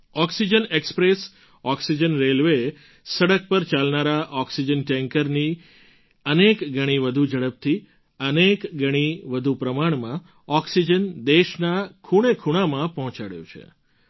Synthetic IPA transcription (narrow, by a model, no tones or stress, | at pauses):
ɔksid͡ʒənekspɾes | ɔksid͡ʒənɾelʋe | səɽək̚pəɾt͡ʃalnaɾaʔɔksid͡ʒənʈɛ̃ŋkəɾni | ənekɡʱəɽ̃iʋəd̪ʱud͡ʒəɽəp̚t̪ʰi | ənekɡʱəɽ̃iʋəd̪ʱupɾəmaɳmã | ɔksid͡ʒənd̪eʃnakʰuɽ̃ekʰuɽ̃amãpɔɦɔ̃t͡ʃaɽjṵ̃t͡ʃʰḛ